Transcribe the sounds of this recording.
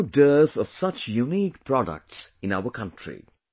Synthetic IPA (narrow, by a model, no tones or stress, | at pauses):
dəːθɔʋ̥sʌt͡ʃjuniːkpɹɔdə̰k̚ʈsɪ̃naʊəkʰʌ̃ntʰɹḭ